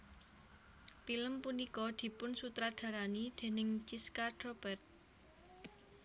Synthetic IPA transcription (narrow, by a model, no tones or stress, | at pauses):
piləmpunikɔd̪̥i̤pʊnsut̪ɾad̪̥ä̤ɾanid̪̥e̤nɪŋt͡ʃiskat̪ɾob̥ɛrt̪̚